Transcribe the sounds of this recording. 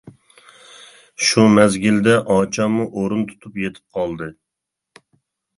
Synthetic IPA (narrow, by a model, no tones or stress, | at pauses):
ʃʊmæzɡʲɪld̪ɛʔɒt͡ʃʰɒmʊʔoɾʊnt̪ʰʊ̥t̪ʰʊpjet̪ʰɪ̥p̚qʰɑlˠd̪ɪ